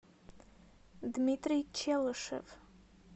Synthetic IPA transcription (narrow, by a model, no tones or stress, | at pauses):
dmitʰʼrit͡ʃʰalɨʂɨ̰v